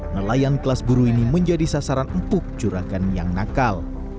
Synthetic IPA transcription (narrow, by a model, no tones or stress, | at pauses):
nəlajankəlasbuɾuiniməɲd͡ʒadisasaɾanəmt̪ʊk̚t͡ʃuɾakanjaŋnakal